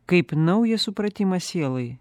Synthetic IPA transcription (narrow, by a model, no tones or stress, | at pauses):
kɐjpnɔwjɛsupɾɐt̪ʲimɐsʲɛlˠɨj